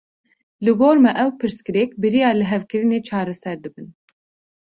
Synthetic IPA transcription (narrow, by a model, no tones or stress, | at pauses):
lɨɡoːɾmɛʔɛwpʰɨɾskɨɾɛːk̚bɨɾijɑːlɨɦɛvkɨɾɨneːt͡ʃʰɑːɾɛsɛɾd̪ɨbɨn